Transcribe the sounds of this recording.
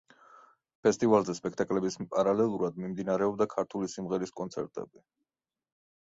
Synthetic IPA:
pʰɛst̪ʼivalˠzɛspʼɛkʰt̪ʼakʼlɛbispʼaɾalɛlˠuɾad̪mimd̪inaɾɛɔbd̪akʰaɾt̪ʰulisimʁɛɾiskʼɔnt̪sʰɛɾt̪ʼɛ̰bi

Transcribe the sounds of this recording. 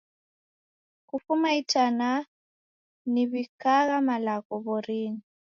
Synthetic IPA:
kufumaitʰʼana | niβikʼaɣamalakɔβɔriːni

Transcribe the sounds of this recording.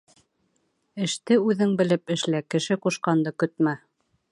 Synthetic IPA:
ɘ̆ʃt̪ɘʉðɘŋbɘ̆lɘpɘ̆ʃlækɘ̆ʃɘquʃqɑnd̪ɤkɵt̪̚mæ

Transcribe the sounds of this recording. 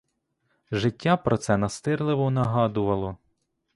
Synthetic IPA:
ʒɪtʲːapɾɔt̪sɛnɐst̪ɪrlˠɪʋɔnɐɦɑd̪ʊʋɐlˠɔ

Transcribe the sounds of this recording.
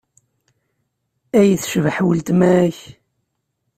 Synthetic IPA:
æjθʃəvħwəlt̪mæç

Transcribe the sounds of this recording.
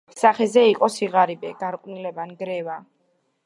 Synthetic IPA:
saχɛzɛiqʼɔsiʁaɾibɛɡaɾqʼwnilɛbanɡɾɛva

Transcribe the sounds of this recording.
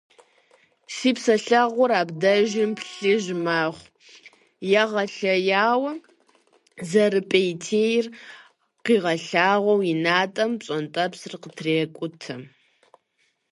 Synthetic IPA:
siːpsɐɬɐʁʷʊɾaːbdɐʒɪmpɬɨʒmaːʁʷ | jɛʁɐɬɐjaːwɐ | zɐrɨpʼejtʰeːjr | qiːʁɐɬaːʁʷɔwinaːtʼɐmpɕʼɔntʼɐpsɨrqətʰreːkʷʼʊtʰɨ

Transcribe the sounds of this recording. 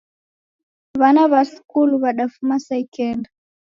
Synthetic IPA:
βanaβasu̥kuluβaɗafumasaikɛnda

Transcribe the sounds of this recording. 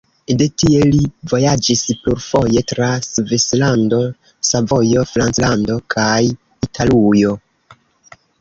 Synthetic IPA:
de̞tielivo̞jad͡ʒispuɾfo̞je̞tɾasvislando̞ | savo̞jo̞fɾant͡slando̞kʰaj | itʰalujo̞

